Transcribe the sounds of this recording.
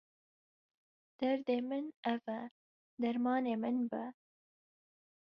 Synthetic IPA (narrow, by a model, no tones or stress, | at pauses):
d̪̥ɐɾd̪emɨnɐva | d̪ɐɾmɑːneːmɨnbə